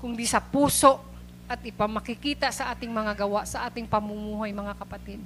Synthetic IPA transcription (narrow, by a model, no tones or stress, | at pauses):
kʊŋd̪isɐpuːso̞ʔ | ʔɐt̪̚ɪpɐmːɐkɪkiːt̪aʔsɐʔaːt̪ɪŋmɐŋaɡɐwaʔsɐʔaːt̪ɪŋpɐmʊmuːɦajmɐŋakɐpɐt̪ɛd̪̚